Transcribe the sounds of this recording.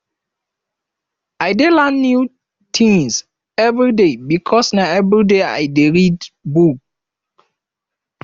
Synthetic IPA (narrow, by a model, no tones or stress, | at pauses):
ajdelãnːju | tʰĩŋs | ɛvɹidebikʰɔsnaɛvɹidea̰jdeɹidbuk̚